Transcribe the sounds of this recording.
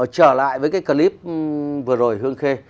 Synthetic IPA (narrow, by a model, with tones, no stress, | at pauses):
t͡ɕəː˧˩la̰ː˧˨jvəː˨˦jkaː˨˦jkəː˧li˦˥p̚vɨ˨˩əzo˨˩jɦɨ˧əŋxe˧